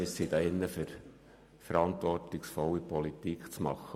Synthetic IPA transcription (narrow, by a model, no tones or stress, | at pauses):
ɪsid̥̪ɑɪnːəfʏɾ | fəɾɑnt̪ʋɔrtɪksfɔwːipɔlit̪ikʰt͡smɑ̰χːə